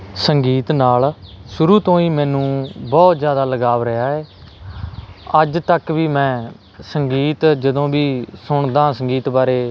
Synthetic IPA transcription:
səŋɡiːt̪naːlsʊɾuːt̪õːiːmɛ̃ːnũːbɔːt̪zjaːd̪aːləɡaːʋɾɪɦaːɛː | əd͡ʒt̪əkʋiːmɛ̃ː | səŋɡiːt̪d͡ʒəd̪õːbiːsʊɳd̪ãːsəŋɡiːt̪baːɾeː

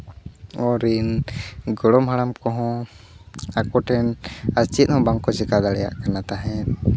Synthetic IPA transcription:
ɔɾinɡɔɽɔmɦaɽamkɔɦɔ̃ | akɔʈʰɛnast͡ʃit̪̚ˀhɔ̃baŋkɔt͡ʃɛkad̪aɽɛja̰ʔkanat̪aɦɛ̃

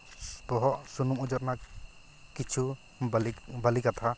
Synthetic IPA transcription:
pɔɦɔʔsunumud͡ʒɔɾ̚na | kit͡ʃʰu | balikat̪ʰa

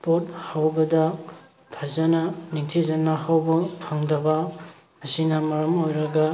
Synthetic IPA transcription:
pot̚hawbɐdɐ | pʰazɐnɐniŋtʰizɐnːɐhawbɐpʰɐŋdɐbɐ | mɐsinɐmɐɾɐmojɾɐɡa

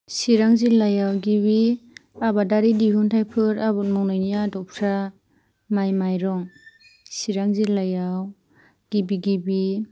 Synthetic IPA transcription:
siɾaŋzilajawɡiβiabadaɾidiɦuntʰajpʰɯɾabunmɔŋnɔjnijadɔpʰɾa | majmajɾɔŋ | siɾaŋzilajaw | ɡ̥ibiɡibi

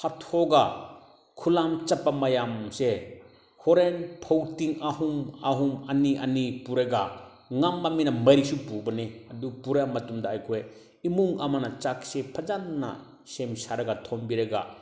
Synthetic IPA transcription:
hʰatʰoɡa | kʰulamt͡ʃɐpːamɐjamse | hɔɾenpʰowtiŋahumaɦumaniʔa̰nipuɾeɡa | ŋamːaminamɐjɾisupubɐneɐdupuɾamɐtumdaːjkʰɔe | imuŋamanat͡ʃaksepʰɐd͡ʒanːa̰ | semsaɾɐɡatʰɔmbiɾɐɡa̰

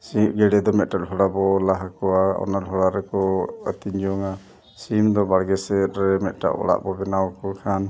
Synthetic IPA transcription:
siʔɡɛɽɛd̪ɔmɛt̪̚ʈaʔ̚ɖɦɔɽabɔlaɦakɔwaɔ̰nalɦɔɽaɾɛkɔət̪iɲd͡ʒɔŋa | simd̪ɔbaɽɡɛsɛt̪̚ɾɛmɛt̪̚ˀʈa̰ʔɔ̰ɽa̰ʔbɔbɛnawkɔkʰan

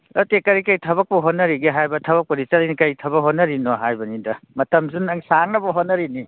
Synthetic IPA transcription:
ɐtekɐɾikɐjtʰɐβɐk̚pɐɦonːɐɾiɡiɦajbɐtʰɐβɐk̚pɐɾit͡ʃɐlinikɐjtʰɐβɐkɦonːɐɾinɔɦajbɐnidɐmɐtɐmzunɐŋsaŋnɐbɐɦonːɐɾini

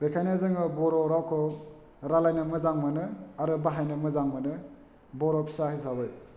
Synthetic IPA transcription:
bekʰanazɯŋɯbɔɾɔɾawkʰɯ | ɾalajnɯmɯzaŋmanɯaɾɯbaɦajnɯmɯzaŋmanɯ | bɔɾɔpʰi̥sahijs̬abɯj

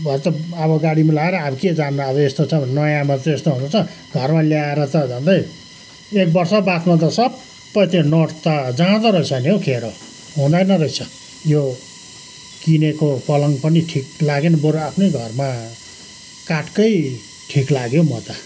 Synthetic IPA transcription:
bʱʌt̪ʌʌbʌɡaɽimalaeɾʌabked͡zand̪aːbʌest̪ot͡sʰʌ̃bnʌjãmat̪ʌest̪oɦunut͡sʰʌ | ɡʱʌrmaljaeɾʌt̪ʌd͡zãnd̪ʌj | ek̚bʌrsʌbat̪mat̪̬ʌsʌb | pʌjt̪enʌʈt̪ʌd͡zaãt̪ʌɾʌjsʰʌniokʰeɾo | ɦũd̪ajnʌɾʌit͡sʰʌ | jo | kinekopʌlʌŋpʌniʈʰiklaɡenbʌɾoapʰnejɡʱʌrma | kaʈkʌj | ʈʰiklaɡjomʌt̪ʌ

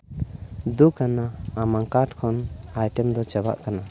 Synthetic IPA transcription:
d̪ukanaːmaŋkaʈkʰɔnajʈɛmd̪ɔt͡ʃɛba̰ʔkana

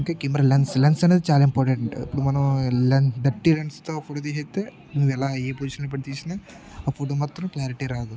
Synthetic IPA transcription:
keːkimbɾɐlɐnslɐnsɐneːd̪it͡ʃaːlaːimpɔːɾʈeɳʈɐɳʈḭpːuɽumɐnɐmlɐnd̪ɐʈːiɾɐnst̪oːpoːʈoːt̪iɦet̪ːeː | nuːʋɛlaːeːpoːiːʃɐnlop̬ɐɽit̪iːsinɐ | aːfʰoːʈoːmaːt̪ɾɐmklaːɾiʈiɾaːd̪u

